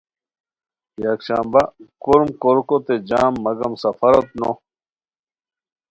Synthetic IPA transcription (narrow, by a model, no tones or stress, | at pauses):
jakɕãːmbakoɾmkoɾkot̪ed͡ʑaːmːɐɡɐmsɐfɐɾɐt̪̚no̰